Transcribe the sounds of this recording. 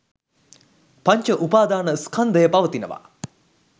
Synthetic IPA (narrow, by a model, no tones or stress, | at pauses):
paɲt͡ʃəʔupaːd̪aːnəskʰɐnd̪əjəpaʋət̪inəʋa̰